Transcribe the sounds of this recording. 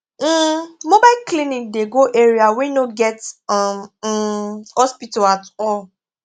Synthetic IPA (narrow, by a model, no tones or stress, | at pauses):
m̩mobaɪklinik̚deɡoʔeɾiawenoɡɛtm̩ | hɔspitaatɔl